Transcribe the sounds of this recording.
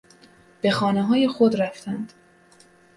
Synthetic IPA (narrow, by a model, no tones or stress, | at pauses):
b̥e̞xɒːneɦɒːje̞xod̪ræft̪ʰænd̪̥